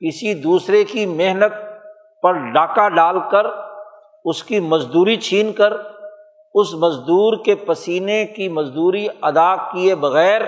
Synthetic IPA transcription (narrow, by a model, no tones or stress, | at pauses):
kɪsid̪uːsɾekimeɦnət̪̚ | pɐɾɖaːkaɖaːlkɐɾ | ʊskimɐzd̪uːɾit͡ʃʰiːnkəɾ | ʊsmɐzd̪uːɾkepɐsiːnekimɐzd̪uːɾiɐd̪akiebɐɣɛːɾ